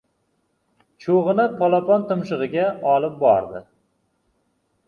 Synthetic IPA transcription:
t͡ʃʰoʁɨnapʰɒlˠapɒnt̪ɨmʃɨʁɨɡʲaɒlˠɪp̚bɒ̰ɾd̪ɪ

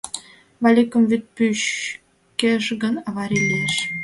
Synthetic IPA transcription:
vɑlʲikə̆mvyt̪̚pyɕ | kʲĕʒɡə̆nɑβɑɾʲilʲieʃ

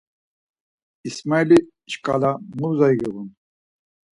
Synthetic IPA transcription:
ismajli | ʃkʼa̰lamuzajɡiɣun

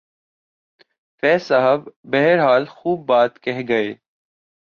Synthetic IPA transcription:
fɛːsɐɦəbːɛɦɾɦaːlxuːb̚ːaːt̪kɛɦɡɐeː

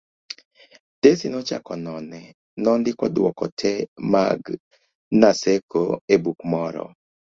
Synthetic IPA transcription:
d̥esinɔt͡ʃa̰kɔnɔnɛ | nɔndɪkɔdwɔkɔ̰tʰɛmaɡ | nasekʰoebukmɔɾɔ̰

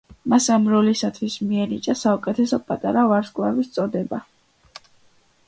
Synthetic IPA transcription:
masamɾɔlisat̪ʰwismiɛnit͡ʃʼasaukʼɛt̪ʰɛsɔpʼat̪ʼaɾavaɾskʼlavist̪sʼɔd̪ɛba

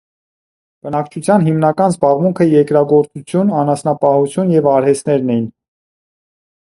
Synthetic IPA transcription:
b̥ənɑkt͡ʃʰut͡sʰjɑnɦimnɑkɑnzbɑʁmuŋkʰəjɛɾkɾɑɡɔɾt͡sut͡sʰjunɑnɑsnɑpɑhut͡sʰjunjɛvɑɾhɛst̪nɛɾnɛjin

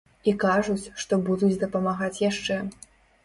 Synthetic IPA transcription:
ikaʐut͡sʲʂt̪ɔbud̪ut͡sʲd̪ɐpɐmaɣat͡sʲjaʂt͡ʂɛ

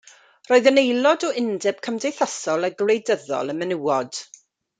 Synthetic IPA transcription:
roːɨðənejlˠɔdɔɪndɪb̥̚kʰəmdejθəsɔlˠaɡlˠejdəðɔ̰lˠənmɛnɪwɔd̥

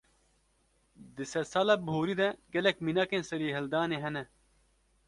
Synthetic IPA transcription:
d̪isɐsɐlɐbʱoːɾid̪ɐɡɐlɐkminɐkensɐɾiɦɐld̪aːneɦɐnɐ

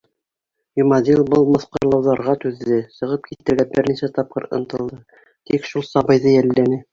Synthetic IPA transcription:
jumɑd̪ilˠbɤlˠmɤ̆θqɤ̆ɾlˠɑwðɑɾʁɑt̪ʉðːɘsɤ̆ʁɤp̚kit̪ɘ̆ɾɡæbɘɾnisæt̪ɑp̚qɤ̰ɾɤ̰̆nt̪ɤ̆lˠd̪ɤ | t̪ikʃulˠsɑβɤ̆jðɤjælːænɘ

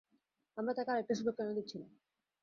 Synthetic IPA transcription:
amɾat̪akeaɾepɾeʃubekːanod̪itːt͡ɕʰilam

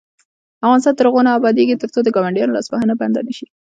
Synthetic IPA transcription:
afɣɑnɪs̬t̪ɑnt̪əɾɣonaːbɑd̪eɡit̪əɾt͡sod̪əɡɑwaɳɖijɑnolɑ̰sbahanabaand̪a̰nəʃi

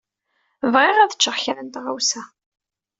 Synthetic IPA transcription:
vʁɪʁæðə̥t͡ʃːəʁçɾənt̪ʁawsæ

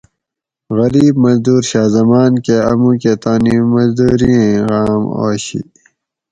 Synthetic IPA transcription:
ɣɐɾiːbmɐzd̪uːɾɕaːzɐmaːnkeɐmũket̪aːnimɐzd̪uːɾiẽɣaːmo̰ːɕḭ

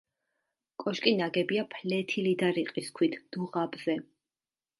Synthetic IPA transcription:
kʼɔʃkʼinaɡɛbiapʰlɛt̪ʰilid̪aɾiqʼiskʰwit̪ʰd̪̥uʁabzɛ

